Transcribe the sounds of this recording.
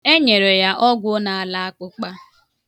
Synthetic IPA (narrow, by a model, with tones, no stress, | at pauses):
e˦ɲe˨ɾe˨ja˦ʔɔ˦ɡʷʊ˦o˦na˨a˦˨la˦a˦kʊ˦k͡pa˦